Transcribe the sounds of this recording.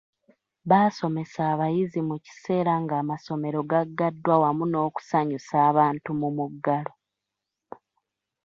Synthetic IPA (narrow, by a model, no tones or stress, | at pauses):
βaːso̞me̞saːβajizimuci̥se̞ːɾaŋɡaːmaso̞me̞ɾo̞ɡaɡːadːwawamuno̞ːku̥saɲusaːβaːntumumuɡːalo̞